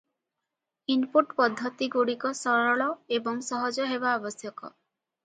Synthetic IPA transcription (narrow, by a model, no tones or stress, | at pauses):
inpuʈpɔd̪ʱːɔt̪iɡuɽikɔsɔɾɔɭɔebɔŋsɔɦɔd͡ʒɔɦebaɔbɔsjɔkɔ̰